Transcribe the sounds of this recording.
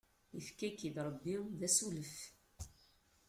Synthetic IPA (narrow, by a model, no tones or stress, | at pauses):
əfkækːid̪ɾˤbːiwðæsuləf